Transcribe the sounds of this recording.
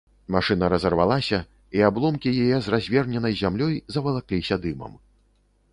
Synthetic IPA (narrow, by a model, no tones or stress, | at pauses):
maʂɨnɐɾɐzɐrva̰lˠasʲɐ | iablˠɔmkʲijajɛzrazʲvʲɛrnʲɛnɐjzʲamlʲɔjzɐvɐlˠaklʲisʲɐd̪ɨmɐ̰m